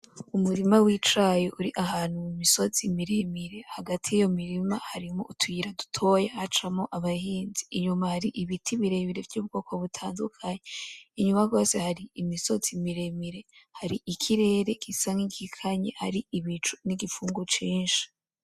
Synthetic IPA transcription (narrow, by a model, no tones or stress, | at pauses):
umuɾimawit͡ʃajoʔuɾiʔahaːn̥humumiso̞t͡simiɾemiɾe̞haɡatʰijijo̞miɾimahaɾimo̰ʔutʰwiːɾadu̥tʰo̞jahat͡ʃamoʔaβahiːnziːɲumahaɾiʔiβitʰiβiɾeβiɾe̞vjuːb̚ɡo̞ːkʰo̞βutʰaːndṵkʰaɲeiɲumaɡo̞ːse̞haɾiimiso̞t͡simiɾemiɾe̞haɾiʔikʰiɾe̞ːɾe̞kisaŋikikʰaɲḛhaɾiiβit͡ʃu̥niɡifuːŋɡot͡ʃiːnʃi̥